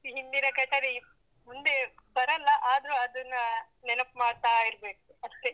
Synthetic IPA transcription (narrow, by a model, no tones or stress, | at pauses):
ɦind̪inɐkɐʈ̪ɐɾi | mund̪ebɐɾɐlːɐʔaːd̪ɾuɐd̪ɐnːɐ | nɛnɐpmaːɖt̪aːiɾbe̞ːkuɐst̪e